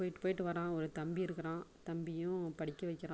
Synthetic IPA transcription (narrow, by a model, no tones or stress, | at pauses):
oːjɪʈːɯpoːjɪʈːɯʋɐɾãːɔɾɯt̪ɐmbiɪɾɯkːɐɾãːt̪ɐmbɪjʊ̃pɐɽɪkːɐʋɐɪkːɪɾãː